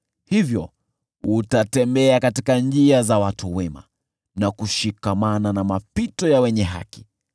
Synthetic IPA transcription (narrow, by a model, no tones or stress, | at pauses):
hivjɔ | utatɛmbɛakatikand͡ʒiazawatʰuwɛma̰ | nakuʃikamananamapitɔjawɛɲɛɦa̰ki̥